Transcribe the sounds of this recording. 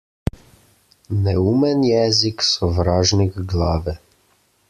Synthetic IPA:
nɛuːmɛnjɛːziksɔʋɾaːʒnikɡlaːʋɛ

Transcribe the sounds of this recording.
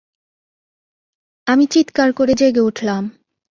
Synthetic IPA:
amit͡ɕit̪kaɾkoɾed͡ʑeɡeuʈʰlam

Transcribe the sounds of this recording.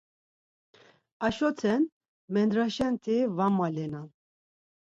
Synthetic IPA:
aʃɔt̪ʰɛn | mɛnd̪ɾaʃɛnt̪ʰivamːalɛnan

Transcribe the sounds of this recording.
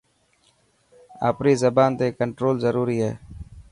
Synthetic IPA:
a̰ːpɾiːzəbaːnt̪eːkəɳʈɾoːlzəɾuːɾiːɦɛ̰ː

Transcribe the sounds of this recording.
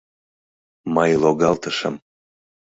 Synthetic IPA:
mɤjloɣɑlt̪əʃə̆m

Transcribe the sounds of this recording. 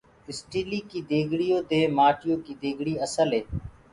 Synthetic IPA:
ɪsʈiːliːkiːd̪eːɡʱɽijoːd̪eːmaːʈɪjoːkiːd̪eːɡɽiːəsəlɦeː

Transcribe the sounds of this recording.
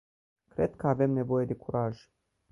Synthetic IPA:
kɾe̞d̪̚kəave̞mne̞vo̞je̞d̪e̞kuɾaʒ̥

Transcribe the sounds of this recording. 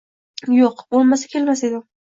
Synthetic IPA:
joqbolˠmasḁkʲʰe̞lmase̞d̪ɪ

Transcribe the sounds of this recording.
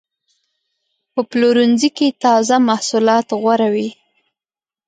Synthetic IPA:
pəploɾunziket̪ɑzamahsulɑt̪ɣwaɾawi

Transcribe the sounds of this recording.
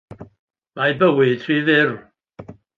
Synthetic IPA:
majbəwɨd̥ʰrivɪr

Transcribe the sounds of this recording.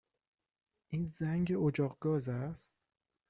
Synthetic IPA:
ʔiːnzæŋɟeod͡ʒɒːɣɡɒːzæst̪

